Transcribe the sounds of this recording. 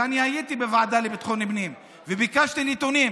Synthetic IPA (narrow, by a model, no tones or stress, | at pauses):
aniajit̪ibevaʕad̪alebit̪χonibnim | vebikaʃt̪ilit̪onim